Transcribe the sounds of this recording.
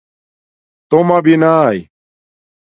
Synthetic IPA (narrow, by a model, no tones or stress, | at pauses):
t̪omabinaj